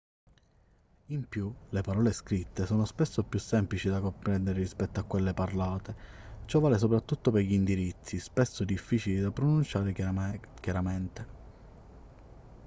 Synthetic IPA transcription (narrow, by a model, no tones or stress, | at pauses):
impjulepaɾɔːleskɾit̪ːesɔːnospesːopːjusːɛmplit͡ʃid̪akompɾɛnd̪eɾerispɛt̪ːoakːwelːeparlaːt̪e | t͡ʃɔvːaːles̬opɾat̪ːut̪ːopeʎːind̪iɾit̪sːispesːod̪ifːiːt͡ʃilid̪apɾonunt͡ʃaːɾekjaɾamɛnt̪e